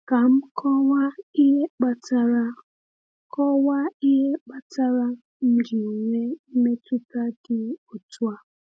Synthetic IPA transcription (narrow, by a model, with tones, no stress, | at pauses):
ka˨˦m̩˦kʰɔ˦wa˦i˦jɛ˦ɓa˦t͡sa˦ɺa˦ | kʰɔ˦wa˦i˦jɛ˦ɓa˦t͡sʰa˦ɺa˦ | m̩˨di˨ŋwɛ˦me˦t͡sʰu˦ka˦ti˦u˨t͡swa˦